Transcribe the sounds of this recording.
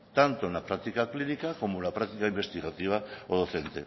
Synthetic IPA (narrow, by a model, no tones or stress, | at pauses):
t̪ant̪onapɾak̚t̪ikaklinikako̞molapɾakt̪ikaimbe̞st̪iɣat̪iβ̞aoðoθe̞nt̪e̞̰